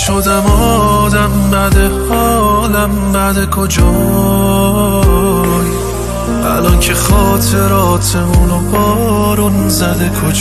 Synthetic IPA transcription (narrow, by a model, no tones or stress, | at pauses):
ʃod̪æmɔ | d̪æmbæd̪ehɒːlæmbæd̪ekʰod͡ʒɔ | j | ælɒncʰexɒːt̪ʰeɾɒːt̪ʰemunobɒːɾunzæd̪ekʰod͡ʒ